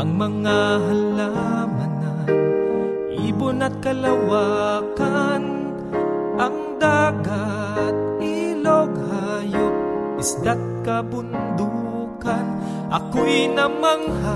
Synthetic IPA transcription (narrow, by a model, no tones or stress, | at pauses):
ɐŋmɐŋaɦalamanan | ʔibonat̪̚kɐlawakan | ʔɐŋd̪aɡa | t̪̚iloɡhajok̚ː | ʊsd̪at̪̚kabʊnd̪u | kan | ʔɐkoʔinamaŋha